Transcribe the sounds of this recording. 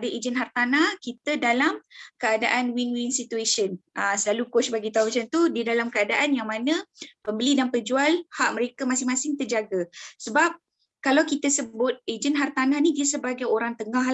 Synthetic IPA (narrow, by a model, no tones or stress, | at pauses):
dəʔed͡ʒənɦart̪anahkit̪ədalamkəada̰ʔanwinwinsit̪uesənəsəlalukʊsbaɡit̪aumat͡ʃant̪udidalamkəadaʔanjaŋmanə̃pəmbəlidanpəd͡ʒualhaʔ̚məɾekamasɪŋmasɪŋt̪ərd͡ʒaɡasəbap̚ | kalawkit̪əsəbʊt̪̚ed͡ʒənɦart̪anahnidiəsəbaɡajoɾaŋt̪əŋah